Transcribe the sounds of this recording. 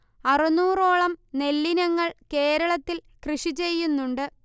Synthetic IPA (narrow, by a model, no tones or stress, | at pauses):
ɐrɨnuːro̞ːɭɐmne̞lːinɐŋːɐɭke̞ːɾɐɭɐt̪ːil | krɨʂit͡ɕe̞jːunːuɳɖɨ